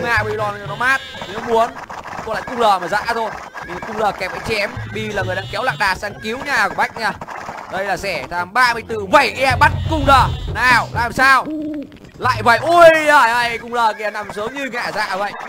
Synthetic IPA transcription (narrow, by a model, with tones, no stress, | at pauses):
ŋ͡mŋaː˨˩ɓi˧lɔ˨˩n˨ɨ˨˧˩nɔ˨˧˦maː˦˥t̚mu˨˦ən | k̪o˧la̰ː˧˨jkʊ˧ŋ͡mzəː˨˩maː˨˩za̰ː˧˥t̪ʰo˧j | ɲɨ˧ŋ˨˩kʊ˧ŋ͡mzəː˨˩kɛ˨˩p̚ʔa˨˦jŋt͡ɕɛ˨˦mɓi˧laː˨˩ŋɨ˨˩əjɗaː˧ŋkɛ˨˦wla̰ː˧˨ŋ̚ɗaː˨˩saː˧ŋki˨˦wɲaː˨˩kəɓa˦˥jk̚ɲaː˧˨ɗə˧jlaː˨˩sɛ˧˩t̪aː˨˦mɓaː˧mɨ˧əjt̪ɨ˧˩və˧˩jki˧a˧ɓa˦˥t̚kʊ˧ŋ͡mzəː˨˩naː˨˩wlaː˨˩msaː˧w | la̰ː˧˨jvə̰˧˨jʔu˧˩jaː˧˩ja˧˨kʊ˧ŋ͡mzəː˨˩ki˧˨a˧˩na˨˩msu˨˦əŋ͡mɲɨ˧ŋa̰ː˧˩za̰ː˧˨və̰˧˨j